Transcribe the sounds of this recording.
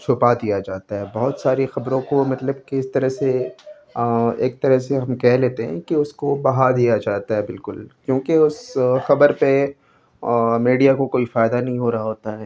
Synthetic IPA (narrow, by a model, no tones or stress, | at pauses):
t͡ʃʰʊpad̪ijad͡ʒaːt̪aɦɛːbɐɦʊt̪saːɾexɐbɾõkomɐt̪ləb̚keɪst̪ɐɾəɦse | ḛːk̚t̪ɐɾəɦseɦɐmkɛɦleːt̪eɦɛ̰̃keʊskobɐɦaɾd̪ijad͡ʒaːt̪aɦɛbɪlkʊlkjõːkeʊsxɐbəɾpe | miːɖijakokoːifaːɪd̪anɐɦĩɦoɾɐɦaɦoːt̪aɦɛː